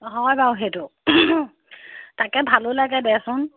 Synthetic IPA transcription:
ɦɔjbawɦetʊ | takɛbʱalolaɡɛdɛsʊn

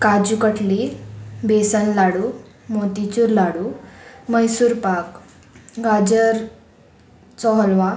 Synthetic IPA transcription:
kad͡ʑukəʈlibesənlaɽu | mot̪it͡ɕuɾlaɽuməjsuːɾpak | ɡad͡ʑəɾ | t͡sɔɦlʋa

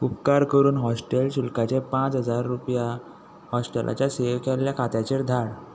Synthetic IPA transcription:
upkaɾkəɾuːnɦɔsʈelɕulkat͡ɕepãt͡sɦəd͡zaɾːupja | hɔsʈelʔa̰t͡ɕjaseʋkɛljakʰat̪jat͡ɕeɾd̪ʱaɽ

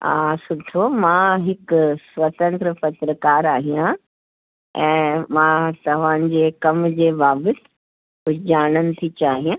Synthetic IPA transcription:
a̰ːsʊʈʰomãːɦɪksʋɐt̪ə̃nt̪ɾəpɐt̪ɾəkaːɾaːɦijã | ɛ̃ːmãːt̪ɐʋ̤ã̆ːd͡ʑeːkɐmd͡ʑeːʋaːbət̪ɪ̥ | ɦʊd͡ʑaːɽ̃ənɪ̆t̪ʰit͡ɕaːɦijãː

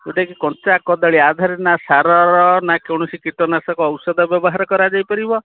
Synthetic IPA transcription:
uʈakikɔnt͡ʃakɔd̪aɭiad̪ʱaɾenasaɾɔɾɔnakewɽ̃ɔsikiʈɔnasɔkɔːwsɔd̪ʱɔbjɔbɔɦaɾɔkɔɾad͡ʒajpɔɾibɔ

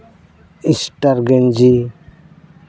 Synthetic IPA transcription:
isʈaɾɡɛnd͡ʒi

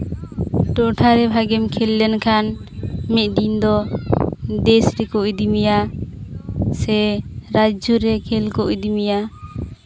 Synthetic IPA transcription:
ʈɔʈʰaɾɛbʱaɡɛmkʰɛlːɛnkʰanmɛɖind̪ɔ | d̪ɛsɾɛkɔʔid̪imija | sɛɾad͡ʒɔɾɛkʰɛlkɔʔid̪imija

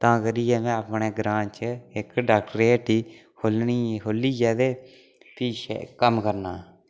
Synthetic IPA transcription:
t̪ãːkəɾiːjɛːmɛ̃ːəpɳeːɡɾãːt͡ʃɪkɖaːk̚ʈɾeːʈiː | hoːlniːɦoːliːd͡ʒɛːd̪eː | piːʃḛkəmkəɾnaː

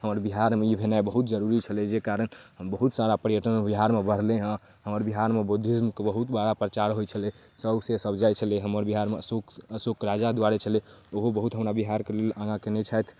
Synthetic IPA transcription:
ɦəməɾbiɦaɾmeibʱenaebəɦut̪̚d͡ʒəɾuɾit͡ʃʰəled͡ʒekaɾənɦəmbəɦut̪saɾapəɾjəʈənbiɦaɾmebəɽ̤leɦə̃ | ɦəməɾbiɦaɾmebud̪ʱːismkebəɦut̪baɽapɾət͡ʃaɾɦojt͡ʃʰəle | səbsesəbd͡ʒajt͡ʃʰəleɦəməɾbiɦaɾmesokəsokɾad͡ʒad̪waɾet͡ʃʰəleoɦobəɦut̪ɦəmɾabiɦaɾkelelãɡãkenɛt͡ʃʰajt̪ʰ

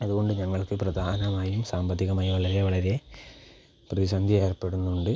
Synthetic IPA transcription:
ɐðuɣo̞ɳɖɨɲɐŋːɐɭkɨprɐd̪ʱaːɐnɐmaːjumsaːmbɐt̪ʰːiɣɐmaːjuʋɐɭɐɾe̞ʋɐɭɐɾe̞ | prɐʋisɐnd̪ʱjie̞ːrpe̞ɽunːuɳɖɨ

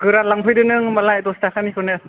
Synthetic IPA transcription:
kɯɾanlaŋpʰɯjdɯnɯŋmalajt̪ɔstakʰanikʰɯnɯ

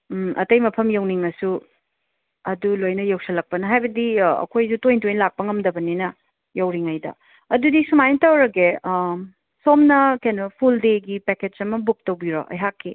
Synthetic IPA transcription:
ʔɐ̰tɐjmɐpʰɐmjɐwniŋɐsu | ɐdulojnɐjowsɐlɐk̚pɐnɐɦajbɐdiɐ̰kʰojsutojntojnlak̚pɐŋɐmdɐbɐninɐ | jɐwɾiŋɐjdɐ̰ | ɐdudisumajntɐwɾɐɡe | somnɐkenɐpʰuldeɡipeket͡ʃɐmɐbuk̚tɐwbiɾo̰ʔɐ̰jɦakʰːi

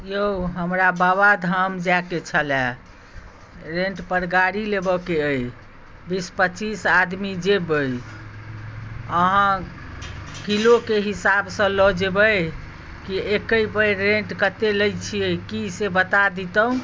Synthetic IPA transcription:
joɦəmɾabaβad̪ʱəmd͡ʒaket͡ʃʰəlɛ | ɾẽɳʈpəɾɡaɾilebɔkeəj | bispət͡ʃisad̪mid͡ʒebəj | əɦã | kilokeɦisabsə̃lɔd͡ʒebəj | kiekəjpəjɾẽɳʈkət̪eləjt͡ʃʰiəkisebət̪ad̪it̪əũ

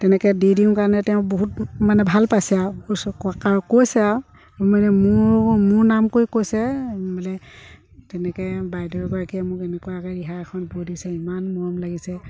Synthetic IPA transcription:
tɛnɛkɛdidiumkaɹnɛtɛʊ̃boɦut̚manɛbʱalpasɛauskɔakaɹkojsɛa | ɔmanɛmʊɹmʊɹnamkojkojsɛbalɛ | tɛnɛkɛbajdɔɹɛɡɔɹakiɛmʊkɛnɛkuakaɹiɦaɛkʰɔnbudisɛimanmɔɔmlaɡisɛ

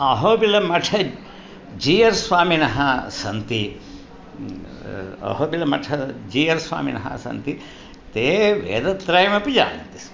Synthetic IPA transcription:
ɐɦoːbilɐmɐʈʰɐ | d͡ʒiːjɐɾsʋaːminɐɦɐsɐnt̪i | ɐ̰ɦoːbilɐmɐ̰ʈʰɐd͡ʒiːjɐɾsʋa̰ːmḭnɐ̰ɦɐ̰sɐ̰nt̪i | t̪eːʋḛːd̪ɐt̪ɾɐjɐmɐpid͡ʒa̰ːnt̪i̥

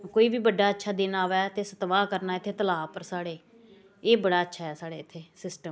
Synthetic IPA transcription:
koːiːbiːbəɖːaːətːʃʰaːd̪eːnaːʋɛːt̪eːsət̪ʋaːkəɾnaːɪt̪ʰːeːt̪əlaːpəɾsaːɽeː | eːbəɽaːətːʃʰaːɦɛːsaːɽeːɪt̪ʰːeːsɪsʈəm

